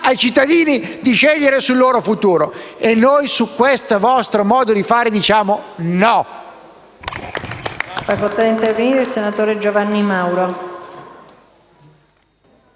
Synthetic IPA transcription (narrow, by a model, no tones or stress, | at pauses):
ajt͡ʃit̪ːad̪iːnid̪iʃeʎːeɾesulːoːɾofut̪uːɾoenːojsukːwest̪avɔst̪ɾomɔːd̪od̪ifaːɾed̪it͡ʃaːmonɔ | afakolt̪ad̪int̪erveniːɾeilsenat̪oːɾed͡ʒovanːimawɾo